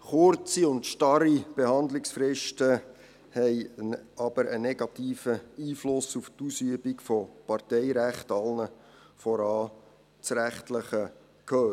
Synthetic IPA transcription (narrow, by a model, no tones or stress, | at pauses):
χʊɾt͡siʊntʃtɑɾib̥ehɑnd̪lɪksfɾɪʃtə | hɛɪɑb̥əɾənɛɡɑtiːfəiːflʊsuftusyəbikfɔpɑɾtɛɪɾæχtɑlnə | fɔɾɑː | t͡sɾæχtləχə | kʰøː